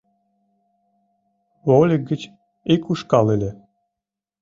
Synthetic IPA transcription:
volʲik̚ɡət͡ɕ | ikuʃkɑlelʲe

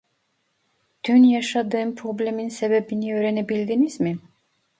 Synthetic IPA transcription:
t̪ʰynjaʃad̪ɯːnpʰɾo̞blʲeminsebebiniøːɾenebilʲd̪inizmi

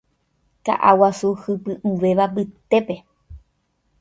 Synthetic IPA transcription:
ka̰ʔa̰wasuhɨpɨʔuʋe̞ʋabɨt̪e̞pe̞

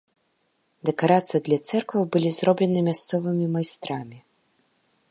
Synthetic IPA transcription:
d̪ɛkaɾat̪sɨjɐd̪lʲat̪sɛrkvɐwbɨlʲizɾɔblʲɛnɨmʲast̪sɔvɨmʲimajst̪ɾamʲi

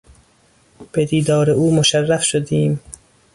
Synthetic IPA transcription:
b̥ed̪iːd̪ɒːɾeuːmoʃærːæfʃod̪iːm

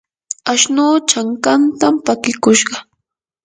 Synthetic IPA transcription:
aʃnuːt͡ʃaŋkant̪ampakɪkʊʃɢɑ

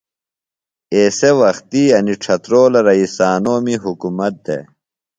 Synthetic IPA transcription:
eːsewɐxt̪iːɐniʈ͡ʂʰɐt̪ɾoːlɐɾɐiːsaːnoːmiɦukumɐt̪̚d̪ḛ

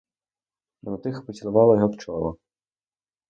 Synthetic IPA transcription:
d̪ɾɔt̪ɪxpɔt͡sʲilˠʊʋɑlˠɔjɔɦɔpt͡ʃɔlˠɔ

